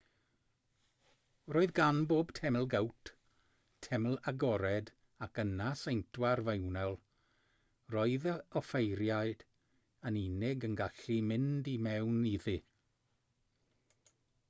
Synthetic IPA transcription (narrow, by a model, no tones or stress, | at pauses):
roːɨðɡanboːb̥tʰɛml̩ˠɡawtʰ | tʰɛml̩ˠaɡɔɾɛd | akənasejntʰwarvewnɛlˠ | roːɨðəɔfejɾjaɨd̥ | əninɪɡənɡaɬimɪndimɛwniðɨ